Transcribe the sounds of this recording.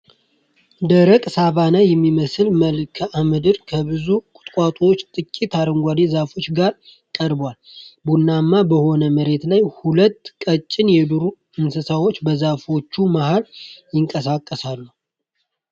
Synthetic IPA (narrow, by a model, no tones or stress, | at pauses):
d̪əɾəkʼsaβanajɛmːiməsɨlməlkʰəʔamɨd̪ɨɾkʰəbɨzukʼʊ̥t̪ʼkʼat̪ʼuwot͡ʃːt̪ʼɨkʼːit̪ʰaɾəŋɡʷad̪ezafo̞t͡ʃːɡaɾ | kʼəɾbwal | bunːamːabəho̞nəməɾe̞t̪lajhulət̪ːkʼət͡ʃʼːɪnjɛd̪uɾu | ɨnsɨsawot͡ʃːbəzafo̞t͡ʃːumahaljɪŋkʼəsakʼːəsalːu